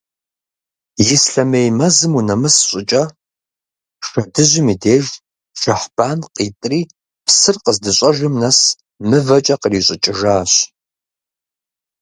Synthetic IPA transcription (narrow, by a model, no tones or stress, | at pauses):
jɪsɬɐmejmɐzɨmunɐmɨsɕʼɪt͡ʃʼɐ | ʃɐdɨʑʷɪmiːdeːʒ | ʃɐħb̥aːnqiːtʼriː | psɨrqəzdɨɕʼɐʒʷɪmnɐs | mɨvɐt͡ʃʼɐqəriːɕʼɪt͡ʃʼɪʒaːɕ